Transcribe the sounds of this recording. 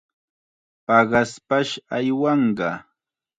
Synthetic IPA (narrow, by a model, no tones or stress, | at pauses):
pɑɢɑspaʃajwɑɴɢɑ